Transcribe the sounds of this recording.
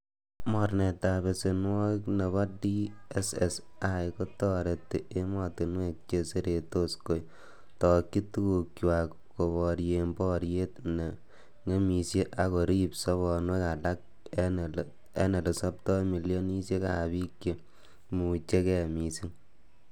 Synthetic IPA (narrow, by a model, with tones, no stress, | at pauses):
mɔ˨rne˨ta˨be˨se˨nwɔ˦kne˨βɔ˦di˦esɛ˨sajko˦tɔ˦ɾe˨tːe˨e˦mɔ˨tɪ˨nwe˦k̚t͡ʃe˧se˦ɾe˨to˦sko˦j | tɔ˨kːi˦tu˦ku˨kwa˨k | ko˨βɔ˨ɾje˨mbɔ˦ɾje˦tne˨ | ŋe˦mi˨sje˦ʔa˨ko˨ɾi˦psɔ˦βɔ˨nwe˦ka˨la˦k̚ | e˦ne˨le˨sa˦p̚tɔ˦mi˨ljo˦ni˦sje˦ka˨bi˦kje˨ | mu˨t͡ʃe˦kɛ˨mi˨si˦ŋ